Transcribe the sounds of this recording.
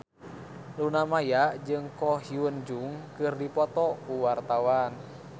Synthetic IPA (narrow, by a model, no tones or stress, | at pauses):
lunamajaʔd͡ʒɨŋkɔɦiwənd͡ʒuŋkɨrdipɔt̪ɔkuwart̪awan